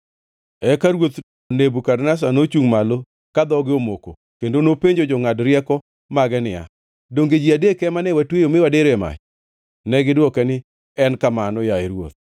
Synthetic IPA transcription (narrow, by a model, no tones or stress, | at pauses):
ɛkaɾwot̪ | onebukadnas̬anot͡ʃuŋmalo | kad̪ɔɡɪomoko̰ | kendonopeɲd͡ʒod͡ʒɔŋadɾjɛkɔ | maɡɛnɪja̰ | doŋɡed͡ʒiadekɛmanɛwatwejomɪwadeɾoɛma̰t͡ʃ | nɛɡɪdɔkɛnɪ | ɛnkamanɔjaeɾwo̰t̪̚